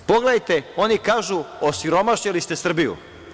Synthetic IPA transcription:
po̞ɡled̪ajt̪eo̞nikaːʒuosiɾo̞maʃɲelist̪e̞sr̩bijṵ

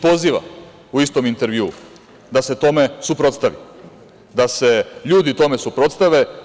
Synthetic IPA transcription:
po̞ziːʋa̰ | uist̪o̞mint̪eɾʋjuː | d̪ase̞t̪o̞me̞supɾo̞t̪st̪aʋḭ | d̪ase̞ʎuːd̪it̪o̞me̞supɾo̞t̪st̪aʋe̞

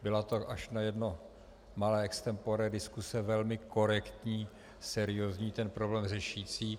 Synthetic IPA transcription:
bɪlat̪oʔaʃnajɛdno̞ | malɛːɛkst̪ɛmpoɾɛdɪskusɛvɛlmɪko̞ɾɛkt̪ɲiː | sɛɾɪjozɲiːt̪ɛnpɾoblɛːmrɛʃiːt͡siː

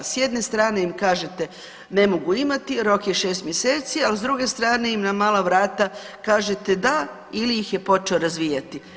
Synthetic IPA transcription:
sje̞d̪ne̞st̪ɾaːne̞imkaːʒe̞t̪e̞ | ne̞mo̞ɡuimat̪iɾo̞kje̞ʃe̞ːst̪mjeseːt̪sialzd̪ɾuɡe̞st̪ɾaːne̞imnamaːlaʋɾaːt̪a | kaːʒet̪e̞d̪a | ilijixje̞po̞t͡ʃe̞oɾazʋiːjat̪i

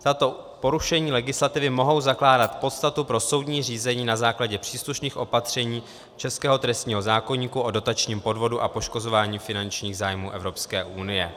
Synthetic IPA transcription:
t̪at̪o̞ | po̞ɾuʃɛɲiːlɛɡɪslat̪ɪvɪmo̞ɦo̞wzaklaːdat̪po̞t̪st̪at̪upɾo̞so̞wdɲiːr̝iːzɛɲiːnazaːklaɟɛpr̥iːsluʃniːxʔo̞pat̪r̝̥ɛɲiː | t͡ʃɛskɛːɦo̞t̪ɾɛst̪ɲiːɦo̞zaːko̞ɲiːkuʔo̞do̞t̪at͡ʃɲiːmpo̞dvo̞duʔapo̞ʃko̞zo̞vaːɲiːfɪnant͡ʃɲiːɣzaːjmuːʔɛvɾo̞pskɛːʔunɪjɛ

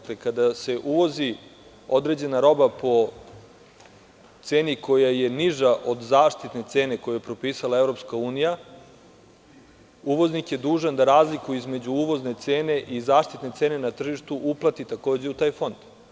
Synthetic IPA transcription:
klekad̪ase̞ʔuʋo̞zi | o̞d̪ɾe̞d͡ʑe̞naɾo̞bapo̞ | t̪se̞ːnikʰo̞jajeniʒaʔod̪zaːʃt̪it̪ne̞t̪se̞ːne̞kojujepɾo̞piːsalˠaevɾo̞pskauːnija | uʋo̞znikje̞d̪uːʒand̪aɾaːzlikuizme̞d͡ʑuuʋo̞zne̞t̪se̞ːne̞ʔizaːʃt̪it̪ne̞t̪e̞ːne̞nat̪r̩ʒiʃt̪uʔuplˠat̪it̪ako̞ːd͡ʑe̞ut̪aːjfo̞nd̪̥

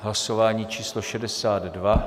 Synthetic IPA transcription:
ɦlaso̞vaːɲiːt͡ʃiːsloʃɛdɛsaːd̪ːva

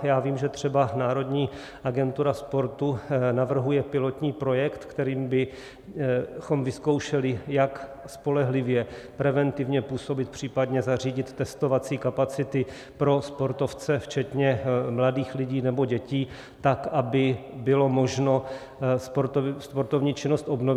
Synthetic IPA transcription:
jaːviːmʒɛt̪r̝̥ɛbanaːɾo̞dɲiː | ʔaɡɛnt̪uɾaspo̞ɾt̪unavr̩ɦujɛpɪlo̞t̪ɲiːpɾo̞jɛkt̪kt̪ɛɾiːmbɪ | xo̞mvɪsko̞wʃɛlɪjak | spo̞lɛɦlɪvjɛpɾɛvɛnt̪ɪvɲɛpuːso̞bɪt̪̚pr̝̥iːpadɲɛzar̝iːɟɪt̪ːɛst̪o̞vat͡siːkapat͡sɪt̪ɪ | pɾo̞spo̞ɾt̪o̞ft͡sɛft͡ʃɛt̪ɲɛmladiːxlɪɟiːnɛbo̞ɟɛciː | t̪akʔabɪbɪlo̞mo̞ʒno̞ | spoɾspoɾt̪o̞vɲiːt͡ʃɪnost̪ʔo̞bno

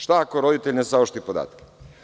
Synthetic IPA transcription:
ʃt̪akoɾo̞d̪it̪eʎʲnesaoʃt̪ipod̪a̰ːt̪ke̥

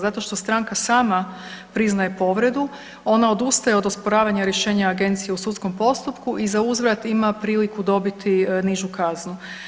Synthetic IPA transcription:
zat̪o̞ʃt̪o̞st̪ɾaŋkasaːmapɾiznaje̞po̞ʋɾe̞d̪u | o̞nao̞d̪ust̪ajeod̪ospo̞ɾaːʋaɲaɾjeʃe̞ːɲaːɡe̞nt̪sijeusut̪sko̞mpo̞st̪upkuʔizauzʋɾat̪imapɾiːlikud̪o̞bit̪iniʒukaznu

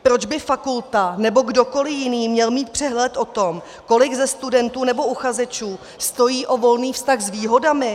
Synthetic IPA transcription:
pɾo̞d͡ʒbɪfakult̪anɛbo̞ɡdo̞ko̞lɪjɪniːmɲɛlmiːt̪̚pr̥ɛɦlɛt̪ʔo̞t̪o̞m | ko̞lɪɡzɛst̪udɛnt̪uːnɛbo̞ʔuxazɛt͡ʃuː | st̪o̞jiːʔo̞vo̞lniːfst̪aɣzviːɦo̞damɪ

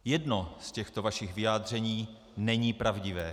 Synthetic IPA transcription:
jɛdno̞scɛxt̪ovaʃɪɣvɪjaːd̪r̝ɛɲiː | nɛɲiːpɾavɟɪvɛː

